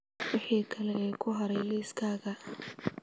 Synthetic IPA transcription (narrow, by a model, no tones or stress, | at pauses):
wʊħiːkʰɐlɛkʰʊɦɐɾɛjlɛːskʰaːɣɐ